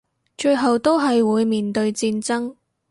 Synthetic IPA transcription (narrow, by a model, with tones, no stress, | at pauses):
t͡ʃɵ˧ɥɦɐ˨wt̪o˥wɦɐ˨jwuː˨˧jmiː˨˩nt̪ɵ˧ɥt͡siː˧nt͡sɐ˥ŋ